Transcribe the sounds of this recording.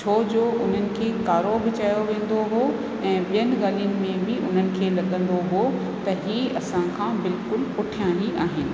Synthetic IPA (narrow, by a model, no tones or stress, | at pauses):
t͡ɕʰoːd͡ʑoːʔʊn̤ənɪ̆kʰeːkaːɾobʱɪt͡ɕaːjoʋẽːn̆d̪oɦo | ɛ̃ːɓijənɪ̆ɠaːlijənɪ̆mẽbʱɪʔʊn̤ənɪ̆kʰeːlɐɠə̃nd̪oɦo | t̪ɐɦiːɐsãkʰãbɪlkʊlpʊʈʰijãːniʔaːɦɪnɪ̆